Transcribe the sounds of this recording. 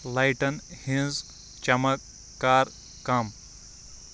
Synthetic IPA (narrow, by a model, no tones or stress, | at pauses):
lajʈɐnhĩnz | t͡ʃɐmək̪ː | aːɾ | kɐm